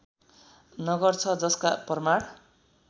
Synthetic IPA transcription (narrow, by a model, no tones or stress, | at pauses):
nʌɡʌrt͡sʰʌd͡zʌskaprmaɽ